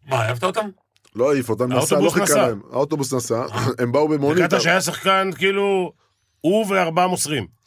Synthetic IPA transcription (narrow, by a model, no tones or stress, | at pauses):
maːjavt̪aot̪am | loaifot̪amnaost̪oabusinakaema̰ot̪obusnasaembaubemonɡiat̪aʃajas̬aχkankiːlu | uveaʁbaamosʁim